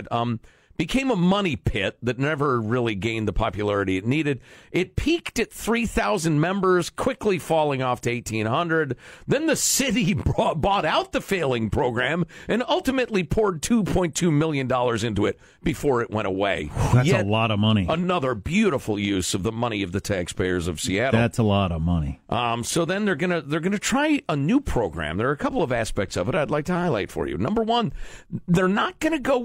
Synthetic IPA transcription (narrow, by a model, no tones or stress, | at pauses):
tm | b̥ɨkʰẽɪ̃məmʌnipʰɪt̪̚ðɨtⁿnɛvə˞ɹɪlˠiɡẽɪ̃nðəpʰɑpjɨlɛɹɨɾiɨtⁿniɾɨdʔɪt̚pʰiktɨt̪̚θɹiθaʊzɨ̃nmɛ̃mbə˞z̥kʰw̥ɪklifɔlˠɪ̃ŋɔftʰɨeɪtʰĩnhʌ̃ndɹɨd̪̚ðɨ̃nðɨsɪɾibɔɾaʊt̪̚ðɨfeɪlˠɪ̃ŋpʰɹ̥oʊɡɹæ̃mʔɨ̃nʌlˠtɨmɨtˡlipʰʊɹd̚tʰupʰɔ̃ɪ̃ntʰʉmɪlˠjɨ̃ndɔlˠə˞zɪ̃ntʉɨt̚ | b̥ɨfɔɹɨʔ̚wɛ̃ɾ̃əweɪðæjsəlɔɾʌvmʌñiənʌðə˞bjʉɾəfl̩ˠjʉz̥ʌvðəmʌñiʌvðɨtʰækspʰeɪə˞zʌv̥siæɾætsəlɔɾʌvmʌnḭʔʌ̃msoʊðɨ̃nðə˞ɡʌnɨðə˞ɡʌnɨtʰɹ̥aɪənʉpʰɹ̥oʊɡɹæ̰̃mðə˞ɨkʰʌpl̩ˠʌvæspɛk̚tsʌvəɾaɪdˡlaɪk̚tʰɨhaɪlaɪtfə̰˞jʉ̰nʌ̃mbə˞wʌ̃nðə˞nət̚ɡ̥ʌnɨɡoʊ